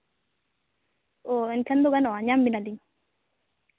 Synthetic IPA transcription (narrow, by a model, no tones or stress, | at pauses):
oɛnkɛnd̪oɡanɔaɲambinaliɲ